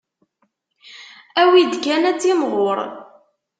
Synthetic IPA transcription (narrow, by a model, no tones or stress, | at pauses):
æwid̪ɡænæt͡sːimʁoɾˤ